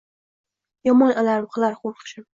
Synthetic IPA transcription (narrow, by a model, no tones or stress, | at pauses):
jɒmɒnalaɾ̚qʰɨlaɾχoɾqʃɪ